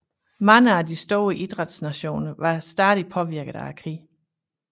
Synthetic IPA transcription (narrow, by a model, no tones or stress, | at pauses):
mɑ̈ŋəæd̥isd̥o̝ːʔid̥ʁɑd̥snæɕo̝̰ːnɐʋɑ̈sd̥æːðˠipʰɒ̽ʋiɐɡ̥əð̩ˠækʰʁḭː